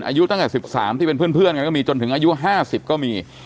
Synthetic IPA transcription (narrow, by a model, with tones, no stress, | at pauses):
nʔaː˧ju˦˥t̪a˥˩ŋt̪ɛ˨˩si˨˩p̚saː˩˦mt̪ʰiː˥˩pe˧nʰpɯ˥˩ənpʰɯ˥˩ənŋa˧nkɔ˥˩miː˧t͡ɕo˧nt̪ʰɯ˩˦ŋʔaː˧ju˦˥ɦaː˥˩si˨˩p̚kɔː˥˩miː˧